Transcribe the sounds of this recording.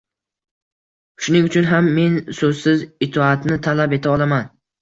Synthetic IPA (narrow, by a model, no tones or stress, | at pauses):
ʃʊnɪŋʊt͡ʃʰʊnɦamːe̞nsɵzsɪzɪt̪ʰɒat̪ʰnɪt̪ʰalape̞t̪ʰaɒlˠaman